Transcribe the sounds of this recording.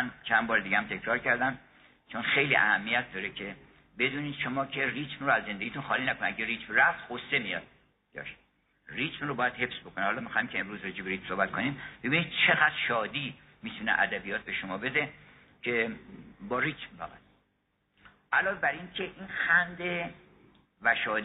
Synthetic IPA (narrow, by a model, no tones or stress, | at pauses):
nt͡ʃʰænbɒːɾd̪iɡææmt̪ʰe̞kʰɾɒːɾcʰæɾd̪æm | t͡ʃʰonxe̞jlḭːʔæ̰hæmːijæt̪̚d̪ɒːɾecʰe | be̞d̪uːniːd̪̥ʃomɒːkʰe̞rit̪ʰmroæzːend̪eɡit̪ʰunxɒːliːnækʰonæɡɟeɾiːt̪mræft̪hose̞mijɒ̰d̪̥̚ | d̥̪ɒ̰ʃ | rit̪mrobɒːjæd̪he̞fsbo̞kʰonehɒːlɒːmixɒːjimcʰeemɾuːzred͡ʒiːbeɾiːt̪msohbæt̪kʰo̞nid̪b̥ebinid̪̥̚t͡ʃʰe̞ɣæd̪̥ɾʃɒːd̪iː | miːt̪ʰunḛʔæ̰d̪æbijɒːt̪̚ʰbe̞ʃomɒːbe̞d̪e | cʰebɒːɾiːt̪mfæ̰ɣæ̰t̪ | ʔælɒːvebæɾinkʰe̞ʔiːnxænd̪e | væʃɒːd̪